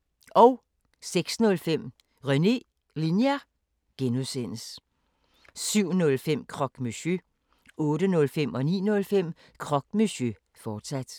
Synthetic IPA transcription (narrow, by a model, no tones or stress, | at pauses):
ɒʊ | seɡ̥snɔ̽lfem̰ | ʁœne̝ | linjæ | ɡ̥enusen̰əs | syʊ̰nɔ̽lfem̰kʰʁɒ̽ɡ̥mysø | ɔ̽ːɾənɔ̽lfem̰ɒ̽nḭːnɔ̽lfem̰ | kʰʁɒ̽ɡ̥̚miɕø | fɒːd̥sæd̥